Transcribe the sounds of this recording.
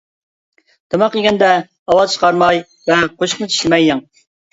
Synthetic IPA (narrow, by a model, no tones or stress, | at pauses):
d̪̥ʰɨmɑqjiɡʲɛnd̪ɛ | ɑwɑzt͡ʃʰə̥qɑɾmɑj | vɛqʰoʃχnɨt͡ʃʰi̥ʃlɪmɛjɛŋ